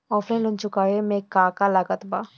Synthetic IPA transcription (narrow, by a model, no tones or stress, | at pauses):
ɔːpʰlaɪ̃nlʊnt͡ʃʊkaːjemẽkaːkalaɡət̪baː